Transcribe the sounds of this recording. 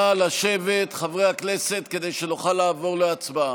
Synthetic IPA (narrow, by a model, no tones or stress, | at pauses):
alaʃevet̪χavʁejhakneset̪ke̞d̪e̞jʃenoχalaːvo̞ʁleat͡sbaa